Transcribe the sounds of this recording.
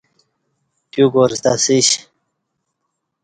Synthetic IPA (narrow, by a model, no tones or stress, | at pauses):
pjuɡoɾst̪asiɕ